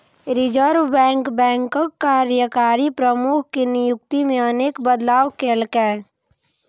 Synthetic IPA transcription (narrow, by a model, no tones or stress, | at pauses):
ɾɪd͡ʒəɾbɛ̃ːŋkbɛ̃ːŋkəkːaːɾjəkaːɾipɾəmukʰkinɪjʊkt̪imẽəneːkbəd̪laːwkeːlkɛː